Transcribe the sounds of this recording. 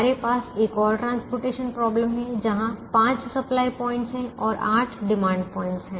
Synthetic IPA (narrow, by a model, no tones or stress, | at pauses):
ɾepaːseːkɔːɾʈɾãːnspoːɾʈeːʃənpɾɔːbləmɦɛ̃d͡ʒɐɦãpãːt͡ʃsɐplaːipɔ̃ːɪ̃ɳʈsɦɛ̃ʔɔːɾaːʈʰɖɪmãːɳɖpɔ̃ːɪ̃ɳʈsɦɛ̃ː